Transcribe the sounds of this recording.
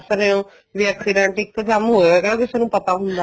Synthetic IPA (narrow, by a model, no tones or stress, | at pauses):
səɾẽõ | ʋɛːksɪɖɛ̃ːɳʈɪk̚t̪əd͡ʒamɦoːeːɡaːbɪsɛnũːpət̪aɦʊnd̪aː